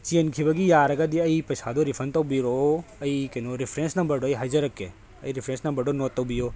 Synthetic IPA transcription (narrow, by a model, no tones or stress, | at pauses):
t͡ʃiɐnkʰibɐɡijaːɾɐɡɐd̪iɐipɐsaːd̪oɾifʰɐnt̪ɐwbiɾoɐikenoɾifʰɾẽːnsnɐmbəɾɖoiɦɐd͡ʒɐɾɐkːe | ɐ̰iɾifʰɾẽnsnɐmbɐɾɖonot̪ːɐbijoː